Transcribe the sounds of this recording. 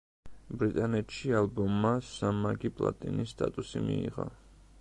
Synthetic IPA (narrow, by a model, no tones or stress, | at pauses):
bɾit̪ʼanɛt̪ʃialˠbɔmːasamːaɡipʼlˠa̰t̪ʼinisːt̪ʼat̪ʼusimiiʁa̰